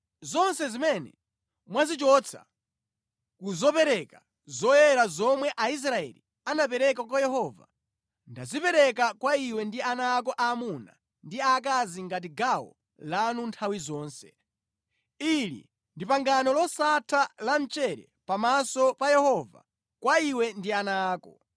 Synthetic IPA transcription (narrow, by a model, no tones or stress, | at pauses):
zɔnsɛzimɛnɛ̰ | mwazit͡ʃɔt͡sʰa̰ | kuzɔpɛɾɛka | zɔjɛɾazɔmwɛʔais̬ɾaɛ̰lḭ | anapɛɾɛk̬ak̬wajɛɦɔːva̰ | ndazipɛɾɛk̬akwaiwɛndianaːk̬ɔʔaːmuna̰ | ndiak̬aziŋɡat̬iɡawɔ̰ | lanuntʰawizɔːnsɛ̥̰ | ilḭ | ndipaŋɡanɔlɔsatʰalan̩t͡ʃɛɾɛ̰ | pamasɔpajɛhɔva̰ | kwaiwɛndianaːkɔ̰